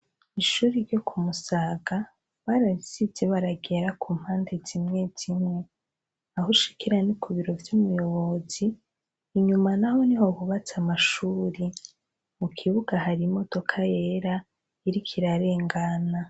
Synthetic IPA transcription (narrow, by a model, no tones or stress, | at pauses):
iʃuːɾiɾjo̞kʰumusaːɡa | βaɾaβisizeβaɾaɡe̞ɾakʰuːm̥haːnde̞z̥imŋe̞z̥imŋe̞ | aɦoʃi̥kiɾanikuβiɾo̞vjumujo̞βo̞z̥iː | ɲumanaho̞niɦo̞βuβat͡samaʃuːɾi | mukʰiβuɡaɦaɾimo̞to̞kʰaje̞ːɾa | iɾikʰiɾaɾe̞ːŋɡana